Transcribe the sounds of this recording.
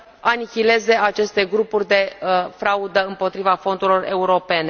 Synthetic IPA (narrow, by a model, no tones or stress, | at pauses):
anikʲile̞ze̞ʔat͡ʃe̞st̪e̞ɡɾupurʲd̪e̞fɾaud̪əɨmpo̞t̪ɾivafo̞nd̪ulo̞re̞uɾo̞pe̞ne̞